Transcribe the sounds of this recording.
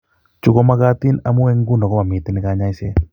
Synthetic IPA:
t͡ʃʊ˦ɡɔ˦ma˦ɡa˦t̪ɪ˦na˨mu˦ɛ˦ŋɡu˦nɔ˨ɡɔ˦ma˨mɪ˨t̪ɪ˦nɪ˦kaɲa˦ɪ˦se˦

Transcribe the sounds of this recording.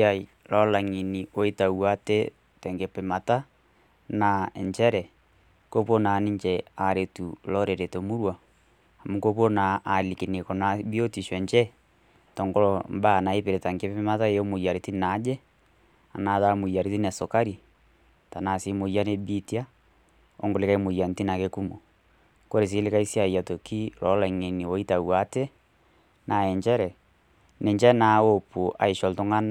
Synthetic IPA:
a˨i˨ | lɔ˦la˨ŋi˨ni˨o˨e˦ta˨wa˦te˦ | tɛ˨ŋɡe˨pe˨ma˨ta˦ | na˨ɛ˨ɲt͡ʃɛ˦ɾɛ˨ | ko˦po˦na˨ni˦ɲt͡ʃɛ˨a˨ɾe˨tu˨lɔ˦ɾe˨ɾe˨to˨mu˦ɾwa˨ | a˨mu˦ko˦po˦na˨ʔːli˨ke˨ne˨kɔ˨na˨bi˦o˦ti˨ʃwɛ˨ɲt͡ʃɛ˦ | tɔ˨ŋɡɔ˦ɾɔmba˦˨na˨e˦pe˨ɾe˨ta˨ŋɡe˦pe˦ma˦ta˦eo˦mo˨ja˨ɾi˨ti˦na˨˦d͡ʒɛ˦ | a̰˨na˨˦ða˦mo˨ja˨ɾi˦ti˦nɛ˨so˨ka˦ɾi˨ | ta˨na˨si˨˦mo˨ja˦ne˦bi˦ti˦a˦ | o̰˦ŋɡo˨le˦ka˦e˦mo˨ja˨n˨ti˦na˨ke˦ku˦mo˨ | ko˦ɾe˨s̬i˨˦le˦ka˦i˦sja˨ja˨to˨ki˦lɔ˨˦la˨ŋe˨ni˨wɔ˦i˦ta˨wa˦tɛ˦ | na˨ɛ˨ɲd͡ʒɛ˦ɾɛ˨ | ne˨ɲd͡ʒɛ˦na˨˦o˦pu˨ʔa̰˨e˨ʃɔ˨lto˦ŋɡa˦n

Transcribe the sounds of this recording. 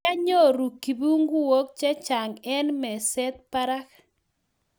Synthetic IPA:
a˦ɲo˦ɾu˨kːi˨bu˦ŋɡu˦wo˦k̚t͡ʃɛ˦t͡ʃa˨ŋɛ˦nmɛ˨sɛ˦t̪̚pa˦ɾa˦k

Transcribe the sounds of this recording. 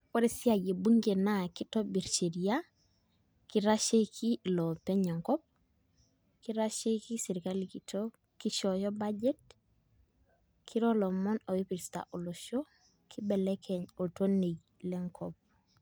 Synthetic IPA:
kɔ˦ɾe˦si˦a˨je˨bu˦ŋɡe˨na˦ki˦tɔ˦bi˨ɾt͡ʃe˨ɾia˦ | ki˦ɾa˦ʃe˦kʰi˦lɔ˨pɛ˦ɲɛ˨ŋkɔ˦p̚ | ki˦ɾa˦ʃe˦ki˦se˨ɾi˨kali˨kitʰo | ki˦ʃɔjɔ˦ba˦d͡ʒɛ˦t̚ | kʰi˦ɾɔ˦lɔ˨mɔ˦no˨i˦pi˨ɾsta̰˨ʔo˨lo˨ʃo˦ | kʰi˦bɛ˨lɛ˦kʰɛ˨ɲo˨to˦ne˨ɟ | lɛ˦ŋkʰɔp̚

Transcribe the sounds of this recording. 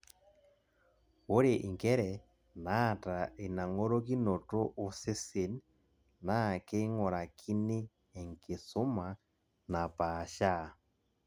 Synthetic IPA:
o˦ɾe˨ʔi˨ŋɡɛ˦ɾɛ˨ | na˦˨ta˨e˨na˨ŋo˦ɾo˦ki˦no˨to˦ʔu˨se˦se˨n | na˦˨ke˦ŋɔ˨ɾa˨kʰi˦neː˦˨ | ŋke˨so˦ma˨ | na˨pa˨ʃa˦˨

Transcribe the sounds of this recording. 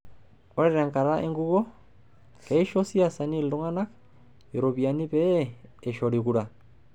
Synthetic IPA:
o˦ɾɛɾɛ˨ŋka˨ɾa˦ʔe˦ŋɡu˦βɔ˦ | kɛi˦ʃo˦si˦a˦sa˨ni˦ldo˦ŋa˦na˦k | i˨ɾo˨βia˨ni˦pɛː˨ʃɔ˨ɾikuɾa˨

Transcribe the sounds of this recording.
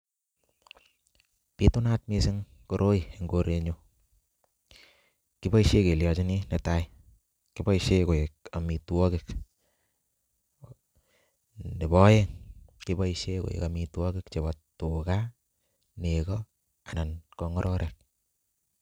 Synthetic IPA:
pi˦tu˦na˦t̚mi˦sɪ˦ŋ | ko˨ɾʔo˦i˨e˨ŋɡoɾe˧ɲo˦ | ki˦bɔ˦i˦ʃe˦ke˨ljɔ˨t͡ʃi˦ni˦ne˨ta˦i | ki˦bɔ˦iʃe˦ko˨e˨k̚a˨mi˨twɔ˦kɪk | ne˨bɔ˦je˦ŋki˦bɔ˦iʃeko̰˨ḛ˨ka˨mi˨twɔ˦kɪ˦kt͡ʃe˨βɔtu˨ka | nekɔ | a˨na˨nkɔ˨ŋɔ˦ɾʔɔ˦ɾʔe˨k̚

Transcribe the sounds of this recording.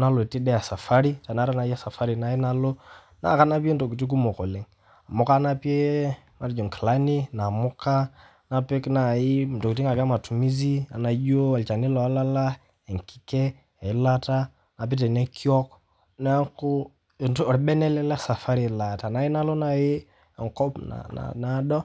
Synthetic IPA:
na˦lɔ˨ti˦ɗɛ˦a˨sa˨fa˦ɾi˦ta˨na˦ɾa˦na˨i˦a˦sa˨fa˦ɾi˨na˦i˦na˦lɔ˦ | na̰˦˨ka˦na˦pi˦e˦n˦tɔ˨ki˨t̬i˦k̬u˦mɔ˨kɔ˨lɛ˦ŋ | a˨mɔ˦ka˦na˦pi˦e˦ | ma˨ɾi˦d͡ʒɔ˨ŋkla˦ni˦na˨mɔ˦ka˦ | na˨pɛ˦kna˨ɪ˦˨tɔ˨ki˨ti˦ŋa˨ka˦ma˨tu˨mi˦zi˦a̰˨na˨jo˦a˨lt͡ʃa˨ni˦lɔ˨a˦la˦la˦ | ɛ˨ŋki̥˦kɛ˦ | a˨ɪ˦la˦ta˦ | na˨p̬i˦t̬ɛ˨nɛ˦kʰi˦ɔ˦k | na˦kʊ˦˨ | ntːɾɓɛ˦nɛ˦lɛ˦lɛ˦sa˨fa˦ɾi˨la˨ta˨na˨˦ɪ˦na˦lo˦na˨jɪ˦˨ | ŋ˨kɔ˦pna̰˨na̰˨na˦ɗɔ˦

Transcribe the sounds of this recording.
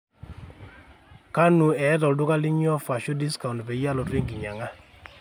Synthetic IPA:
ka˦nu˨ɛ˨˦tɔ˨ldʊ˦ka˦lɪ˦ɲ˦ɔ˦fa˨ʃɔ˦di˦ska˨u˨n˨pɛ˨ja˦lɔ˨twe˦ŋɡi˨ɲa˨ŋa˦

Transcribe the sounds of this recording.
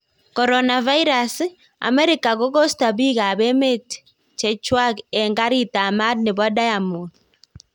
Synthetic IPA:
kɔɾɔnava˦i˦ɾas | a̰˨mɛɾikaɣɔɣɔ˦sta˨βi˦ɣa˨βɛ˦me˦t | t͡ʃɛt͡ʃwa˦ɣɛŋɡa˦ɾita˨ma˦dneβwa˦da˦jamu

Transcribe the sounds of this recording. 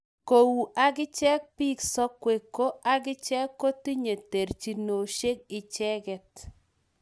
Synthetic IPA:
ko˨wu˨ʔa˨kɪ˦t͡ʃɛ˦k̚piː˦ksɔ˦kwe˨kːo˦a˦k̬ɪ˦t͡ʃɛ˦kːo˦ti˦ɲe˨te˨rt͡ʃi˨no˨ʃe˦k̚ɪ˨t͡ʃɛ˦kɛ˨t̚

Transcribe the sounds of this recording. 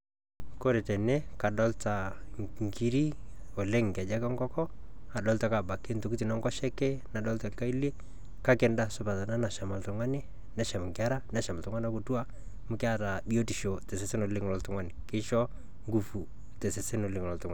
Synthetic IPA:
ko˦ɾe˨tɛ˨nɛ˦ka˨ɗɔ˦lta˨ŋŋki˨ɾi˦o˨lɪ˦ŋka˨d͡ʒa˦kɔ˦ŋɡɔ˦kɔ˦ | a˨dɔ˦lta˨˦ka˨ba˨kːɪ˦nto˨ki˦ti˨nɔ˦ŋɡɔ˦ʃɛ˦kɛ˦na˨dɔ˦lta˨lka˦i˦li˦ | ka˦kɪ˨nda˦sʊ˦pa˨ta˨na˦na˨ʃa˨ma˨ltʊ˨ŋwa˦nɪ˦ | na˨˦ʃa˨m˨ŋkɪa˦ɾa˦na˨˦ʃa˨ma˨ltʊ˦ŋwa˦na˦ku˨tu˦a˦ | mʊ˦kɪ˦a˦ɾa˨bi˦o˦ti˨ʃo˨tɛ˨sɛ˨sɪ˦no˨lɪ˦ŋlɔ˨ltʊ˦ŋwa˦nɪ˨kɪ˦ʃɔ˦ | ŋɡu˨fu˨ | tɛ˨sɛ˨sɪ˦no˨lɪ˦ŋlɔ˨ltʊ˦ŋwa˨

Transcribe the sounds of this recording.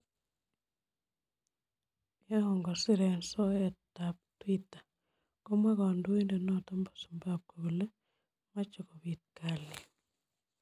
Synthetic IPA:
eɔŋɡo˨si˦ɾenso˦etap̚twitḁ˨ | ko˦mwa˦kandu˦we˦nde˨no˦tombo̥˨su̥˨mbap̚koβu˨le˦ | ma˦t͡ʃo˨ko˨βit̚kali˨

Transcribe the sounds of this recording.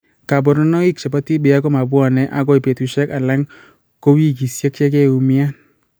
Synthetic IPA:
ka˨bɔ˨ɾnɔ˦nɔ˦i˦k̚t͡ʃa˨pa˦ti˦bɪ˨a˦kɔ˦ma˨bwa˨nɛ˦ʔa˦ɡɔ˦i˨pe˨tu˨ʃɛ˦ka˨la˦ŋ | ko˦wi˦ki˨sje˦k̚t͡ʃɛ˦kɛ˦u˨mɪ˦a˦n

